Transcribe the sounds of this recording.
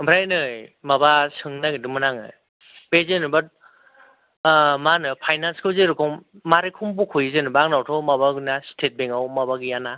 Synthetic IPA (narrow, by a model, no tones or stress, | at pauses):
bʰɾajnɯjmabasɯŋnaɡidɯmɯnaŋɯ̰j | bezenɯbat̚ | manɯpʰajnanskʰɯwzeɾukʰɔmmaɾekʰumbukʰujzenɯbaŋnawtʰɔmabaɡɯnastʰet̚beŋawmabaɡijana